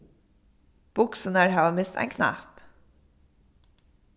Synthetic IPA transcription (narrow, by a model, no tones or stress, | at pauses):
b̥ʊksɔnæɾhɑːɑmɪst̪ʰæ̰ɪŋkʰnæ̰ːp